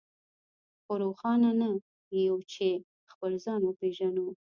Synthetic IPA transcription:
xoɾoxɑnana | jawt͡ʃe | xpəlzɑnwəpeʒanu

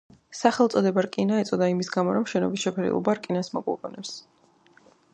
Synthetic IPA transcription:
saχɛlˠt̪sʼɔd̪ɛbaɾkʼinaɛt̪sʼɔd̪aimisɡamɔɾɔmʃɛnɔ̰bisʃɛpʰɛɾḭlˠɔ̰baɾkʼinasmɔkʼɔ̰qʼɔnɛps

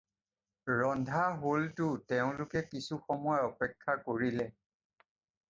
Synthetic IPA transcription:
ɹɔndʱaɦoltʊtɛʊ̃lʊkɛkisuxɔmɔjaɔpɛkʰːakoɹilɛ

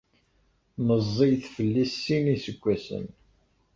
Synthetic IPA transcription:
nəzˤːijθfəlːisːinisəɡʷːæsə̰n

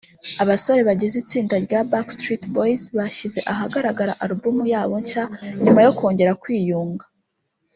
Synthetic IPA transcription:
aβaso̞ɾe̞βaɟizit͡siːndaɾɟabakstɾitboizβaʃize̞ʔaɦaɡaɾaɡaɾa̰ʔaɾubumujaːβo̞ɲcaɲumajo̞ko̞ːɲɟe̞ɾakwiːjuːŋɡḁ

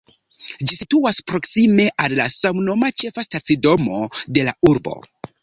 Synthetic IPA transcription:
d͡ʒisituaspɾo̞ksime̞ʔallasamno̞mat͡ʃe̞fastat͡sido̞mode̞lauɾbo̞̰

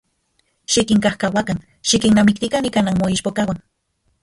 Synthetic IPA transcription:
ʃikiŋkahkawakaŋ | ʃikinnamik̚t̪ikanikanaŋmoiʃpokawaŋ

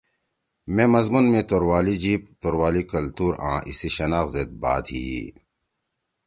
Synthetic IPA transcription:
mẽːmɐzmunmẽt̪oɾwaːlid͡ʑiːp̚t̪oɾwaːlikɐlt̪uːɾã̰ːʔḭseɕɐnaːxzet̪̚ba̰ːd̪hiḭ

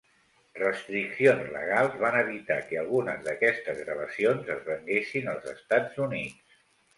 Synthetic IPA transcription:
rəst̪ɾiksionzlə̰ɣ̞alˠzβanəβ̞it̪a̰kəəlˠɣunəzðəkɛst̪əzɣɾəβəsionzəzβəŋɡesinəlˠzəst̪ad͡zunit͡s

